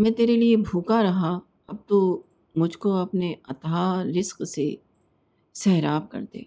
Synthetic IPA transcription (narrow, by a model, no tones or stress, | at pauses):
mɛ̃ːt̪eːɾeliebʱuːkaɾɐɦa | ɐb̚t̪u | mʊd͡ʒʱkoɐpneɐt̪aɾɪsqse | sɛɦɾaːb̚kɐ̰ɾt̪ḛː